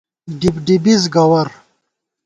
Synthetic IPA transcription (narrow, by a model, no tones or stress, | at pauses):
ɖibɖibizɡɐwɐɾ